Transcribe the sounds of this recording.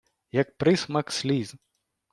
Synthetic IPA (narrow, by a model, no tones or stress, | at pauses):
jɐk̚pɾɪsmɐksʲlʲiz